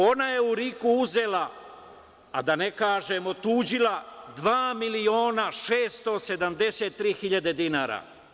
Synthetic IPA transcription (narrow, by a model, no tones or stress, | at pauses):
o̞naje̞uɾikuuze̞la | a̰d̪anekaːʒemo̞t̪uːd͡ʒilad̪ʋaːmilio̞ːnaʃeːst̪o̞se̞d̪amd̪e̞set̪̚ːɾiːxiʎad̪e̞d̪inaːɾa̰